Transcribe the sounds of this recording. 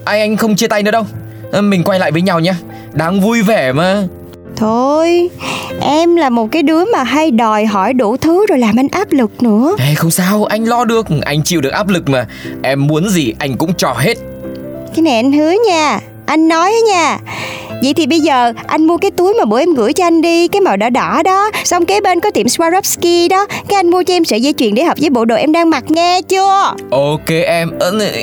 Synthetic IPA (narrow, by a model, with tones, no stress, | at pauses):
ʔa˧jŋʔa˧jŋ̟xə˧wŋ͡mt͡ɕi˧ət̪a˧jnɨ̰˧˥ə˦ɗə˧w | mï˨˩ŋ̟kwa˧jla̰ː˧˨jvəː˨˦jɲa˧˩wɲaː˧ | ɗaː˧ŋvu˧jve˨˩maː˨˩ | t̪ʰo˧jʔɛ˧mlaː˨˩mo˨˩t̚kaː˨˦jɗɨ˨˦əmaː˨˩ɦa˧jɗɔ˨˩jɦɔ˧˩jɗu˧˩t̪ʰɨ˨˦zo˨˩jlaː˨˩mʔa˧ŋ̟ʔaː˦˥p̚lɨ˨˩k̚nɨ̰˧˥əa˧˩xə˧wŋ͡msaː˧wʔa˧jŋ̟lɔ˧ɗɨ˨˩ək̚ʔa˧jŋ̟t͡ɕḭ˧˨wɗɨ˨˩ək̚ʔaː˦˥p̚lɨ˨˩k̚maː˨˩ʔɛ˧mːu˨˦ənzi˨˩ʔa˧jŋ̟kʊ̰˧˥ŋ͡mt͡ɕɔ˨˩ɦe˦˥t̚ | kaː˨˦jna˨˩jʔa˧ŋ̟hɨ˨˦əɲaː˧˩ | ʔa˧jŋ̟nɔ˨˦jaː˨˦ɲaː˧˩və̰˧˨jt̪ʰi˨˩ɓə˧jzəː˨˩ʔa˧jŋ̟mu˧əkaː˨˦jt̪u˨˦əjmaː˨˩ɓu˧˩ʔɛ˧mɣɨ̰˧˥əjt͡ɕɔ˧ʔa˧jŋ̟ɗi˧kaː˨˦jma˨˩wɗɔ˧˩ɗɔ˧˩ɗɔ˨˦sa˧wŋ͡mkaː˨˦ɓe˧nkɔ˨˦t̪i˧˩əmswaː˧zɔ˦˥p̚ski˧ɗɔ˨˦ka˨˦jʔa˧jŋ̟mu˧ət͡ɕɔ˧ʔɛ˧msɨ̰˧˨ziː˧t͡ɕwḭ˧˨ənɗe˧˩ɦəː˨˩p̚zəː˨˦ɓo̰˧˨ɗo̰˧˨ʔɛ˧mɗaː˧ŋma˨˩t̚ŋɛ˧t͡ɕɨ˧əʔo˨˧ke˧ʔɛ˧mʔə˧˦˧